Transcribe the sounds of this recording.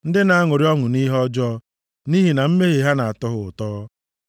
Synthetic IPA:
n̩˦dɪ˦na˨a˦ŋo˨ɾi˦ɔ˦ŋʊ˨ni˦ɦɔ˦d͡ʒɔː˦ | ni˦ɦi˨na˨m̩˦me˦ɦe˨ɦa˦na˨a˨tɔ˦ɦʊ˨ʊ˨tɔː˦

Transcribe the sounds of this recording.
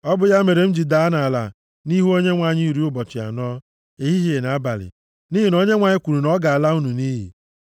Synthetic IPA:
ɔ˦bʊ˦ja˦me˨ɾe˨m̩˦d͡ʒi˨da˨a˦na˨a˨la̰˨ | ni˦ɦu˦o˦ɲe˦ŋʷa˨˦˨ɲi˦˨ɾi˦ʊ˦bɔ˨t͡ʃɪ˨a̰˨n˦ɔ˦ | e˦ɦi˦ɦi˦e˨na˨˦ba˨lɪ̰˨ | ni˦ɦi˨no˦ɲe˦ŋʷa˨ɲɪ˦kʷu˨ɾu˨nɔ˦ɡa˨a˨la˦u˦nu˨ni˦ɦḭ˨

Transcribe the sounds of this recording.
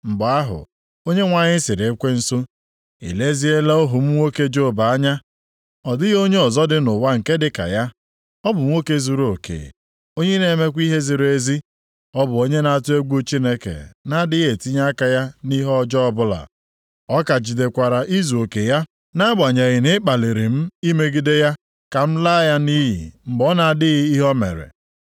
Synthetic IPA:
m̩˨ba˨a˦ɦʊ̰˨ | o˦ɲe˦ŋʷa˨ɲɪ˦sɪ˨ɾe˨˦kʷe˦n̩˨˦so˦ | ḭ˨le˦zi˦e˦la˦o˦ɦʊ˨m̩˦ŋʷo˦ke˦d͡ʒo˦˨ba˨a˦ɲa˦ | ɔ˨dɪ˦ɣo˦ɲe˦ɔ˨zɔ˦dɪ˦nʊ˨wa˦ŋ̩˨ke˦dɪ˦ka̰˨ja˦ | ɔ˦bʊ˨˦o˦ke˦zu˨ɾo˨kḛ˨ | o˦ɲe˦ne˨˦me˦kʷi˦ɦe˦zi˨ɾe˦zi˦ | ɔ˦bʊ˨o˦ɲe˦na˨a˨tʊ˦e˦ɡʷu˦t͡ʃi˦ne˦kḛ˨na˦dɪ˦ɣe˨ti˦ɲa˦ka˨ja˦ni˦ɦɔ˦d͡ʒɔ˦ɔ˦bʊ˦la̰˨ | ɔ˦ka˨d͡ʒi˨de˨kʷa˨ɾa˨ʔi˦zu˨o˨ke˨ja˦ | na˦ɡ͡ba˨ɲe˨ɣɪ˨nɪ˦k͡pa˨li˨ɾi˨m̩˦i˦me˦ɡi˦de˦ja˦ | ka˨m̩˦la˦ja˦ni˦ɦḭ˨m̩˦bɔ˦na˨dɪ˦ɣɪ˦i˦ɦɔ˦mḛ˨ɾḛ˨

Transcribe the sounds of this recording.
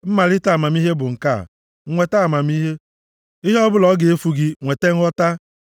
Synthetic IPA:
m̩˦ma˨lɪ˦ta˦˨ma˨m˦i˦ɦe˦bʊ˨ŋ̩˨ka̰˦˨˦ | ŋʷe˨ta˦˨ma˨mi˦ɦe˦ | i˦ɦe˦ɔ˦bʊ˦lɔ˨˦ɡe˨e˦fu˨ɡɪ˦ŋʷe˨te˦ŋ̩˦ɔ˦ta˦

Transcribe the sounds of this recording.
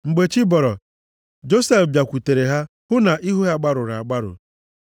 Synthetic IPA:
ŋ͡m̩˨ɡ͡be˨t͡ʃi˦bɔ˨ɾɔ˨ | d͡ʒo˦se˦fbja˨kʷu˨te˨ɾe˨ɦa˦ | hʊ˦na˨ʔi˦ɦu˦a˦ɡ͡ba˦ɾʊ˨ɾa˨a˨ɡ͡ba˦ɾʊ̰˨

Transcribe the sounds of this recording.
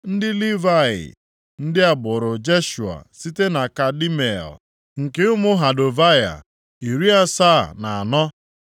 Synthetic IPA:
n̩˦dɪ˦li˦va˦˨ɪ̰˨ | n̩˦dɪ˦a˨bʊ˨ɾʊ˨d͡ʒe˦ʃu˨a̰˨si˦te˦na˨ka˨di˦me˨l | ŋ̩˨ke˦ʊ˦mʊ˦ɦa˨do˨va˦ja̰˨ | i˨ɾi˦a˦sa˦˨na˨a˨nɔ˦

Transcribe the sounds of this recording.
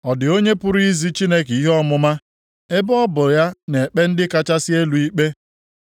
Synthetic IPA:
ɔ˨dɪ˨o˦ɲe˦pʊ˦ɾi˦zi˦t͡ʃi˦ne˦ke˨i˦ɦɔ˦mʊ˦ma˦ | e˦bɔ˦bʊ˨ja˦ne˨k͡pe˦n̩˦dɪ˦ka˦t͡ʃa˦sɪ˦e˦lu˨i˦k͡pe˦

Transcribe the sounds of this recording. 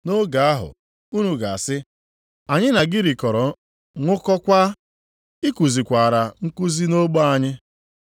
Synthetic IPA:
no˦ɡa˨a˦ɦʊ̰˨ | u˦nu˨ɡa˨a˨sɪ˦ | a˨ɲɪ˦na˨ɡɪ˦ɾi˨kɔ˨ɾɔ˨ | ŋʷʊ˦kɔ˦kʷa˦ | ɪ˦ku˨zi˨kʷa˨ɾa˨ŋ̩˦ku˦zi˦no˦ɡ͡ba˦a˦ɲɪ˦

